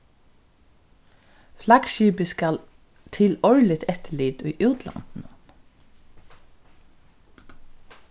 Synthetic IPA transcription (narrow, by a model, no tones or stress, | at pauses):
flɑkʃyːbəskɑl | t̪ʰɪlɔʏlɪt̪ʰɛt̪əɭiːd̪ʉːʔʉːt̪ʰlɑ̰nd̪n̩ə